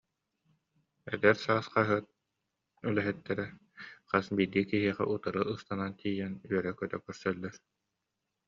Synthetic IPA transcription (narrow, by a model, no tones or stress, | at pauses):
ɛ̰d̪ɛɾsaːsqaɦɯɐt̪̚ | ylɛɦɛt̪ːɛɾɛ | q͡χasbijd̪ikiɦiɛχɛ̰ʔut̪aɾɯʔɯst̪anant̪ʰiːjɛnyœɾɛkœt̪œ̰kœɾsœlːɛɾ